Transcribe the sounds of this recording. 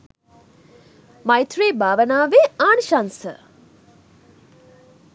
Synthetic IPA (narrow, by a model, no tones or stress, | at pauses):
majt̪ɾeːbaːʋənaːʋeaːnʃansə̰